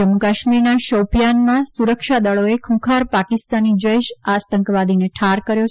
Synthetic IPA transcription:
d͡ʒəmukaʃmiɾnaʃəwpijanmãsuɾəkʃad̪əɭoekʰũkʰaɾpakɪst̪anid͡ʒəeʃat̪əŋkʋad̪ineʈʰaɾkəɾjo

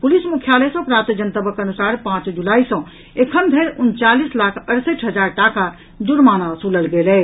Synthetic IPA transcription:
pulismukʰːjalɛsə̃pɾat̪əd͡ʒənt̪əbəkənusaɾpãt͡ʃd͡ʒulaisə̃ | ekʰənd̪ʱeɾunt͡ʃalislakʰəɾsəʈʰɦəd͡ʒaɾʈaka | d̪uɾmanasuləlɡelɛ

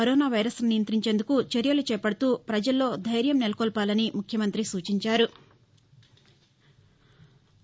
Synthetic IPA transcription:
ɐɾɔːnaːʋɐjɾɐsnijɐnt̪ɾiɲt͡ʃe̞ːnd̪ukut͡ʃeɾjɐlut͡ʃɛːpɐɽɐt̪uːpɾɐd͡ʒɐlːo̞ːd̪ʱɐjɾjɐmnelɐkɔːlpaːlɐnimukʰjɐmɐnt̪ɾisuːt͡ʃiɲt͡ʃaːɾu

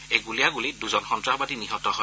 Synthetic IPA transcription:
eɡuliaɡuliduzɔnxɔntɹabadiniɦɔtɔɦɔ

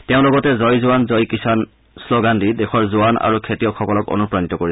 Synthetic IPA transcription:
teʊ̃lɔɡɔtɛzɔjzuanzɔjkisan | sloɡantidexʰɔɹzʊanʔa̰ɹukʰetijɔkxʰɔkɔlɔko̰nupɹanitɔkoɹi

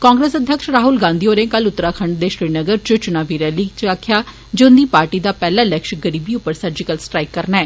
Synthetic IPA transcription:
kãːŋɡɾeːsəd̪ʱjəkʃɾaːɦʊlɡãːnd̪iːoːɾẽːkəlʊt̪ːɾaːkʰəɳɖd̪eːʃɾiːnəɡəɾt͡ʃət͡ʃʊnaːʋiːɾɛːliːt͡ʃaːkʰːjaː | d͡ʒeːʊnd̪iːpaːɾʈiːd̪aːpɛːlãːləkʃɡəɾiːbiːʊpːəɾsəɾd͡ʒɪkəlsʈɾaːikːəɾnaɛː

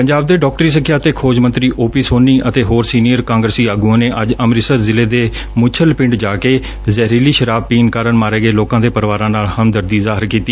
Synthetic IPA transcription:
pəɲd͡ʒaːb̚d̪eːɖɔːk̚ʈɾiːs̬əkʰːjaːt̪eːkʰoːd͡ʒmə̃nt̪ɾiːʔoːpiːsoːniːʔət̪eːɦoːɾsiːnijəɾkãːŋɡɾəsiːaːɡuãːneːʔəd͡ʒəmɾɪsəɾzɪleːd̪eː | mʊt͡ʃʰəlpɪ̃ɳɖd͡ʒaːkeː | zɛːɾiːliːʃəɾaːbpiːnkaːɾənmaːɾeːɡəeːloːkãːd̪eːpəɾʋaːɾãːnaːlhəmd̪əɾd̪iːzaːɦɪɾkiːt̪iː

